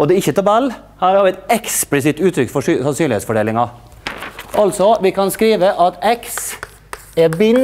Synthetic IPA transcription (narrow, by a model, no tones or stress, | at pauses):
ɔd̪ɛɪçːət̪ʰɑbɛlː | hɑːɾhɑɾʋɪɛt̪ɛksplɪsɪt̪ːʉːt̪ʰɾʏkːfɔʂsɑnsynlɪeːt̪sfɔɖeːlɪŋɑ | ʔɑlt̪sɔʋɪkʰɑnskɾiːʋəʔɑt̪ɛks | ɛbɪn